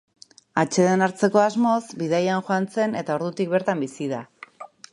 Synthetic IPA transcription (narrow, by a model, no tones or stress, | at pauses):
at͡ʃe̞ðenaɾt͡se̞ko̞azmo̞zbiðajanxoant͡se̞ne̞t̪ao̞ɾðut̪ik̚be̞ɾt̪ambisiða